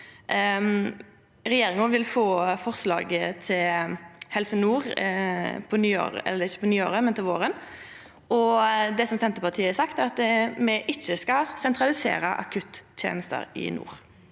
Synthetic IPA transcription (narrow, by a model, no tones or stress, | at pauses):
ɾɛjeːɾɪŋəʋɪlfoːfɔʁslɑ̰ːɡət̪ʰɪlhɛlsənuːʁ | pʰɔnyːo̰ːɾə̰ʔɛ̰lːəɾɪçəpɔnyːoːɾəmɛnt̪ʰɪlʋoːɾən | ʔɔd̪ɛsɔmsɛnt̪əpɑʁt̪ʰiːəsɑkt̪æɾɑt̪mɛʔɪçːəskɑsɛnt̪ɾɑlɪsḛːɾəʔɑ̰kʰʉt̪t̪ʰjḛːnəst̪ə̰ɾɪ̰nṵːɾ